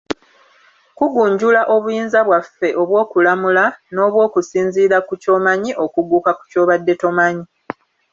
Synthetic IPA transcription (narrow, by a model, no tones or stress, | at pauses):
kuɡuːɲɟulaʔo̞βujiːnzaβwafːe̞ʔo̞βwo̞ːkulamulano̞ːβwo̞ːkusiːnziːɾakuco̞maɲiʔo̞kuɡukaku̥co̞ːβadːe̞to̞maɲi